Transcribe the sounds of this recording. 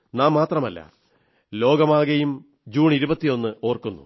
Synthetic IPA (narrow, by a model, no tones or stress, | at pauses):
naːmːaːt̪rɐmɐlːɐ̰ | lo̞ːɡɐmaːɣɐjum | d͡ʑuːɳiɾubɐt̪ːio̞nːɨo̞ːrkunːṵ